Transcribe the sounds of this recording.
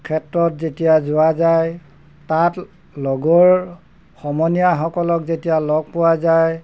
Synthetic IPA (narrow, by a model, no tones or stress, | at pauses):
kʰɛtɹɔtzetijazʊwazaj | tat | lɔɡɔɹ | xɔmɔnijaxɔkɔlɔkzetijalɔɡ̚pʊwazaj